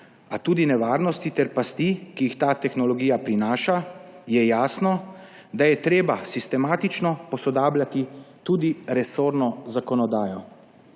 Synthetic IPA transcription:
at̪uːd̪inɛʋaːɾnɔst̪it̪ɛɾpast̪ikijixt̪aːt̪ɛxnɔlɔɡiːjapɾinaːʃajɛjaːsnɔ | d̪ajɛt̪ɾeːbasist̪ɛmaːt̪it͡ʃnɔpɔsɔd̪aːblʲat̪it̪uːd̪iɾɛsoːɾnɔzakɔnɔd̪aːjɔ

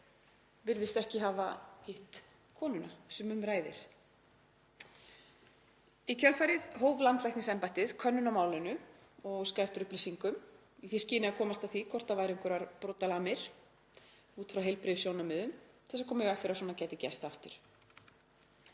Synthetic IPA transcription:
vɪɾðɪst̪ɛhcɪɦaːvahɪht̪ | kʰɔːnʏnasɛmʏmɾaːjðɪ̰ɾ̥ | icʰœlfajɾɪðɦoːwvlant̪lajhtnɪŋsɛmpajht̪ɪð̥kʰœnːʏnamaːwlɪnʏɔɣskajɾ̥t̪ʏɾʏhplisiŋkʏm | iθiscɪːnɪakʰɔːmast̪awθikʰɔr̥t̪avajɾɪŋkʏɾvaɾpɾɔwt̪alaːmɪɾ̥ | uːt̪fɾawɦejlpɾɪðʏsjownamʏðʏmθɛsaɾkʰɔːmɪvɛkfɪɾas̬ɔːnacɛːt̪ɪcɛ̰st̪aft̪ʏɾ̥

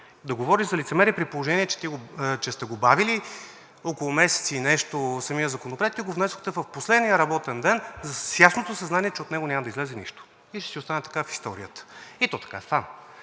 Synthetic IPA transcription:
d̪ɐɡovɔɾiʒzɐlit̪sɛmɛɾipɾipolˠoʒɛniɛt͡ʃɛ̥t̪iɡot͡ʃɛst̪ɛɡobavili | ɔkolˠomɛsɛ̥t̪siːnɛʃt̪osɐmijəzɐkonopɾɛɛt̪kiɡovnɛsʊxt̪ɛvəfposlɛd̪nijəɾɐbɔt̪ɛnd̪ɛnzɐsjasnot̪osɐznaniɛt͡ʃɛot̪nɛɡonʲamɐd̪ɐizlɛzɛnḭʃt̪o̥ | iʃt̪ɛsiost̪anɛt̪ɐ̥kafi̥st̪ɔɾijət̪ə̥it̪ɔt̪ɐ̥ka̰stam

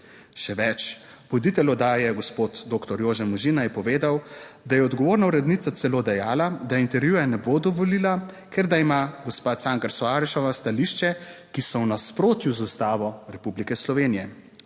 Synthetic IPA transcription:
ʃɛʋɛt͡ʃʋɔd̪it̪ɛlɔd̪aːjɛɡɔspoːt̪d̪oːkt̪ɔɾjoːʒɛnmɔʒinajɛpɔʋeːd̪awd̪ajɛɔd̪ɡɔʋoːɾnauɾɛd̪niːt̪at̪sɛloːd̪ɛjaːlad̪aint̪ɛɾʋjuːjanɛboːd̪ɔʋɔliːla | kʰɛɾd̪aimaɡɔspaːsaːŋkaɾsɔaːɾiʃɔʋast̪aliʃt͡ʃɛkisɔwnaspɾoːt̪juzust̪aːʋɔɾɛpublikɛslɔʋeːnijɛ

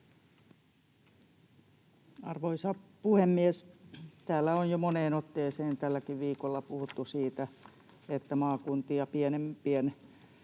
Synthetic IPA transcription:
ɑrʋoisɑpuhemːiest̪æːlːæonjomoneːnot̪ːeːseːnt̪ælːækiʋʋiːkolːɑpuhut̪ːusiːt̪æ | et̪ːæmɑːkunt̪iɑpienempien

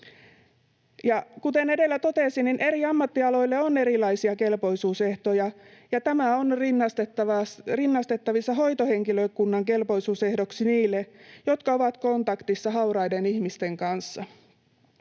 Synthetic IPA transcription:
jɑkut̪ene̞de̞lːæt̪o̞t̪esinninʔe̞ɾiɑmːɑt̪ːiɑlo̞jlːeone̞ɾilɑisiɑke̞lpo̞jsuːse̞ht̪o̞jɑjɑt̪æmæo̞nrinːɑst̪et̪ːɑʋɑrinːɑst̪e̞t̪ːɑʋisːɑɦo̞jt̪ohe̞ŋkiløkunːɑŋke̞lpo̞jsuːse̞hdo̞ksiniːlːejo̞t̪kɑo̞ʋɑt̪ko̞nt̪ɑkt̪isːɑɦɑwɾɑjdenihmist̪e̞ŋkɑnsːɑ

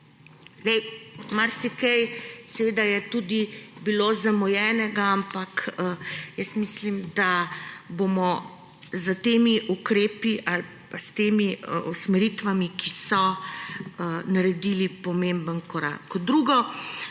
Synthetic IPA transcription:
zɛjmaɾsikɛjsɛʋeːd̪ajɛt̪ud̪ibilozamɔjɛːnɛɡaampak | jəsmislimd̪abomɔ | zət̪eːmiʔukɾeːpiʔal | past̪emiusmɛɾit̪ʋamikisɔ | naɾɛd̪ilipɔmembənkɔɾa̰ːkɔd̪ɾuːɡɔ

